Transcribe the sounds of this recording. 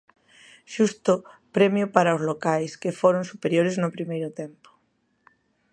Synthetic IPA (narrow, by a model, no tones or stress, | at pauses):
ʃust̪ʊpɾemjʊpaɾaʊzlokajskefoɾonsupeɾjoɾeznʊpɾimejɾʊt̪empʊ̥